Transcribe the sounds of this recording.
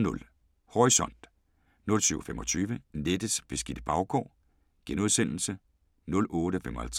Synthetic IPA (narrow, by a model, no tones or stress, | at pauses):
nɔ̽l | hɒisɒ̽n̰d̥ | nɔ̽lsyʊfemɒ̽t͡sʰyːʋəned̥əsb̥e̝sɡ̥id̥əb̥ɑ̈ʊkʰɒ̰ː | ɡ̥enoð̰ˠsen̰l̩sə | nɔ̽lɔːɾ̥əfemɒ̽hælt͡sʰʁ